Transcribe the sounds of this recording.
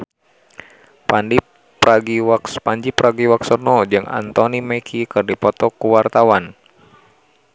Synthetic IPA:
pandi | aɡiapaɲd͡ʒipɾaɡiwaksɔnɔd͡ʒɨŋa̰nt̪ɔnimɛkʰikɨrdipɔt̪ɔkuwart̪awan

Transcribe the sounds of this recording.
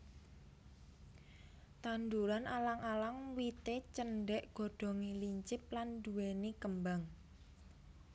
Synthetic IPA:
t̪and̪uɾanʔalaŋalaŋwit̪et͡ʃənɖɛʔɡ̥ɔ̤ɖ̪̥ɔ̤ŋiliɲt͡ʃɪp̚land̪uwenikəmbaŋ

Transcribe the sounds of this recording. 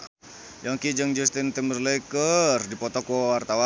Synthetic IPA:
jɔŋkid͡ʒəŋd͡ʒust̪int̪imərleikərdipɔt̪ɔkɔwart̪awa

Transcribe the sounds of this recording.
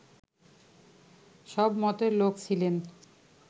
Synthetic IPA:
ʃɔbmɔt̪eɾlokt͡ɕʰilen

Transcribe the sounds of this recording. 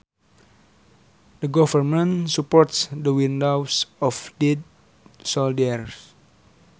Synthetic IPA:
dəɡɔvərmə̃nsupɔrtsdəwindawsɔfdid̚ | sɔldɛrs

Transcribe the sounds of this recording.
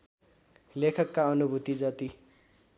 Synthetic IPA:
lekʰʌkːaʌnubʱut̪id͡zʌt̪i

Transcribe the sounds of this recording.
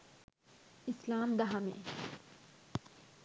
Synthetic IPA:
islaːmd̪ɐɦɐmḛ

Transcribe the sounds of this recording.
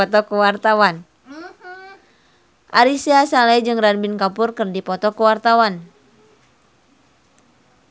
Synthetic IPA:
ɔt̪ɔkuwart̪awan | ʔaɾisiasalaid͡ʒɨŋranbinkapʊrkɨrdipɔt̪ɔkuwart̪awan

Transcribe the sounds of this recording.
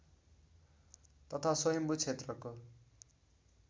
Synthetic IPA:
t̪ʌt̪ʰasʌjʌmbut͡sʰet̪rʌko

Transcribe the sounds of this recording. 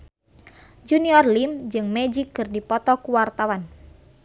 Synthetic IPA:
d͡ʒuniɔrlimd͡ʒɨŋmed͡ʒikːɨrdipɔt̪ɔkuwart̪awan

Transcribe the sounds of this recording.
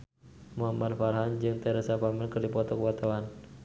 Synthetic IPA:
muɦamadfaɾɦand͡ʒɨŋt̪ɛɾəsapamɛlkɨrdipɔt̪ɔkəwat̪awan

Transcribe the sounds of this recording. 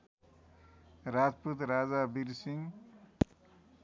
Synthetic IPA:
rad͡zput̪rad͡zabiɾsiŋ

